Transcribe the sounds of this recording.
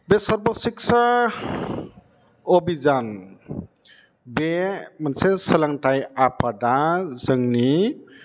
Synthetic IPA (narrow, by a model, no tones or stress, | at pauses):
besʌɾbɔsiksa | obizan | bemansesəlaŋtajapʰadazəŋni